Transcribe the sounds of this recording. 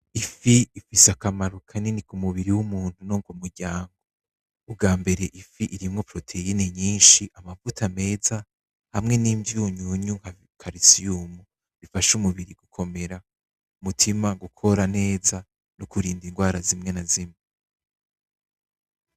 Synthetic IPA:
ifiifisakamaɾukʰaninikumuβiɾiwumuːn̥hunoːŋɡomuɾɟaːŋɡoː | b̚ɡaːmbe̞ɾe̞ʔifiʔiɾimŋo̞pɾo̞tʰe̞ineɲiːnʃiʔamavutʰame̞ːza | hamŋe̞niːmbjuɲuɲuŋ̥ha | ŋkʰaɾisijumu | βifaʃumuβiɾiɡ̥ukʰo̞me̞ɾa | umutʰimaɡukʰo̞ɾane̞ːza | nukuɾiːndiŋɡwaːɾazimŋe̞nazimŋe

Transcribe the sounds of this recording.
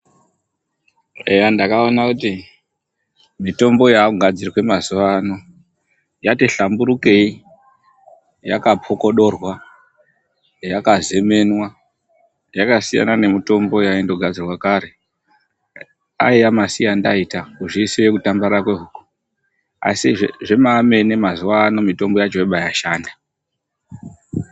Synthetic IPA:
ejandakaonakut̬i | mito̞mbo̞jaɡʱad͡zirwe̞mazuʋano̞ | jateɬambuɾuke̞i | jakapʰo̞ko̞ɗo̞rwa | jakaze̞me̞nwa | jakasija̰nane̞mito̞mbo̞jaindo̞ɡʱad͡zirwakaɾe̞ | a̰iamasijanda̰itakuʐisijekutambaɾakwe̞ɦuku̥ | a̰siʐʐe̞mame̞ne̞mazuʋano̞mito̞mbo̞jad͡ʒoeɓajaʃaːnda

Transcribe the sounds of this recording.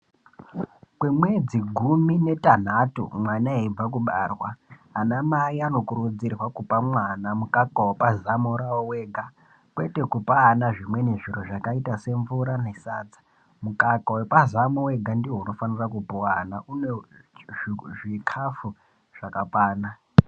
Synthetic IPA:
kwemwed͡ziɡʱumine̞tan̤atṵmwanaeib͡vak̬uɓa̰rwaanamaiano̞kuɾud͡zirwakupamwanamukakawepazamuɾawoweɡʱa | kwete̞kupaːnaʐimwe̞ne̞ʐiroʐakaitase̞ɱvuɾanesad͡zḁ | mukakawepazamuwe̞ɡʱandiweuno̞fanirakupuwanaʔune | ʐikʰafu | ʐ̥akapwaːna

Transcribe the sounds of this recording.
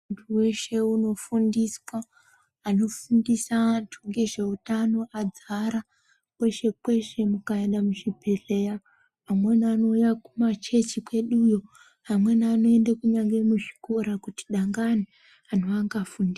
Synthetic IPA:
untʰuwe̞ʃe̞uno̞fundiswaː | no̞fundisatʰuŋɡe̞ʐe̞utano̞ʔad͡zaɾa | kwe̞ʃe̞kwe̞ʃe̞mukaendamuʃibʱele̞ja | amwe̞niano̞ujakumat͡ʃe̞t͡ʃikwe̞ɗujo | ɦamwe̞niano̞endakuɲaŋɡe̞muʐikoɾakuti̥ɗaŋɡani | anoaŋɡafundiː

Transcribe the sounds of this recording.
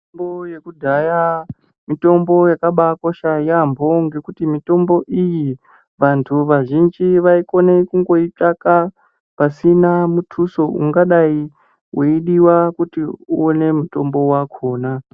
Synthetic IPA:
mbojekudʱaja | mito̞mbo̞jakaɓako̞ʃajambʱo̞ŋɡe̞kutimito̞mbo̞ʔiji | ʋantʰuʋaʒind͡ʒiʋaiko̞nekuŋɡo̞itaka | pasinamutʰuso̞ʔṵŋɡaɗai | weiɗiwakutiuone̞muto̞mbo̞wakʰo̞ːna

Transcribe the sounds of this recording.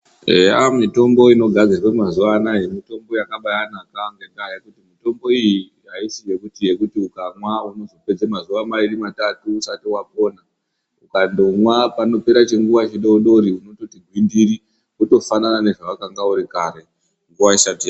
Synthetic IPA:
eamito̞mbo̞ino̞ɡʱad͡zirwemazuʋanajemito̞mbo̞jakaɓajanakaŋɡedajekutimito̞mbo̞iji | ɦaisijekutije̞kutiukamwauno̞zo̞pe̞d͡zemazuʋamaiɾimatatuːsatiwap̚o̞ːna | ukandomwapano̞pe̞ɾat͡ʃe̞ŋɡuʋat͡ʃiɗouɗo̞ɾiuno̞to̞tiɡʱwindiri | uto̞fananane̞ʐaʋakaŋɡauɾikaɾe̞ | ŋɡuʋaisatija

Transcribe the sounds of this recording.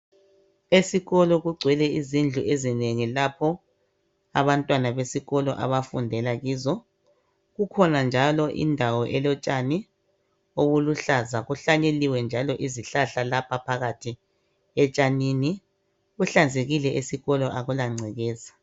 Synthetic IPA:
esiɣɔlɔɣuɡ͡ǀʱwɛlɛizind͡ɮʱuʔezineŋilapʰɔ | a̰βantʼwanaβesiɣɔlɔʔa̰βafundʱɛlaɣiːzɔ | ɣukʰɔnand͡ʒʱalɔʔḭndʱawɔʔɛlɔt͡ʃʼani | oβuluɬazaɣuɬaɲeliwɛnd͡ʒʱalɔʔiziɬaɬalapʰapʰaɣatʰi | ɛt͡ʃʼanini | ɣuɬand͡zʱeɣilɛʔesiɣɔlɔʔaɣulaŋ͡ǀʱɛɣɛːzḁ

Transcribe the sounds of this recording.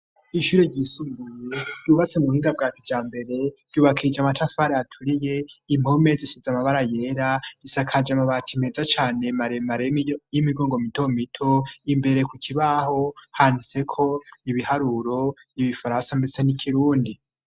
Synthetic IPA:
iʃuːɾe̞ɾɟisuɡuje̞duβat͡se̞muuhiːŋɡab̚ɡaːtʰid͡ʒaːmbe̞ɾe̞d̥uːβakʰid͡ʒamatʰafaɾeatʰuɾije̞imho̞me̞zisizamaβaɾaje̞ːɾaisakʰad͡ʒamaβatʰime̞ːzat͡ʃaːne̞maɾemaɾejimiɡo̞ːŋɡo̞mitʰo̞mitʰo̞imbe̞ɾe̞kukʰiβaho̞handit͡se̞kʰo̞iβihaɾuɾo̞ | iβifaɾansambet͡se̞nikʰiɾuːndi

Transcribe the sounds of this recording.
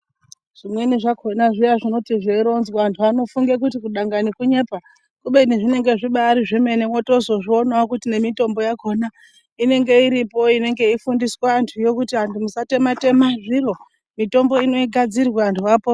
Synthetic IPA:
ʐ̥imweniʐakʰonaʐiaʐino̞tiʐeiɾo̞nzwaantʰuano̞fuŋɡek̬utikuɗaŋɡanikuɲe̞ːpa | kuɓe̞niʐine̞ŋɡe̞ʐiɓaɾiʐeme̞newoto̞zo̞ʐionawakutine̞mito̞mbo̞jako̞na | ine̞ŋɡe̞iɾipo̞ine̞ŋɡe̞ifundiswantʰujo̞kutiantʰumusate̞mate̞maʐiro̞ | mito̞mbo̞ino̞iɡʱad͡zirwaantʰuaːpo

